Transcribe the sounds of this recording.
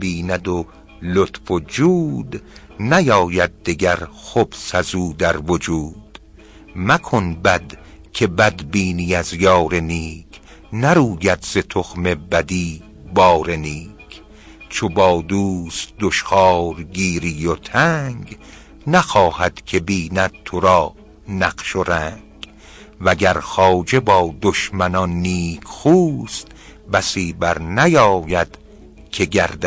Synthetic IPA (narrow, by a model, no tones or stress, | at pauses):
biːnæd̪o | lot̪fod͡ʒuːd̪ | næjɒːjæd̪̚ːeɡæɾxob̥sæzuːd̪æɾvod͡ʒuːd̪̥ | mækʰonbæd̪ | kʰe̞bæd̪biːnijæzjɒːɾe̞niːkʰ | næɾuːjæd̪ze̞t̪ʰoxme̞bæd̪iː | bɒːɾe̞niːkʰ | t͡ʃʰobɒːd̪uːst̪d̪oʃχɑːɾɡiːɾijot̪ʰæŋɡ | næxɒːhæd̪̥kʰe̞biːnæd̪̥̚t̪ʰoɾɒː | næqʃoɾæŋɡ̥ | væɡæɾxɒːd͡ʒe̞bɒːd̪oʃmænɒnːiːkʰxuːst̪ | bæsiːbæɾnæjɒːjæd̪̥ | kʰeɡæɾd̪æ